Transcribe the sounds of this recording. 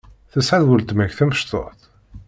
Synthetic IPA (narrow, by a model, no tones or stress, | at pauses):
θəsʕaðwəlt̪mæçθæməʃt̪o̰θ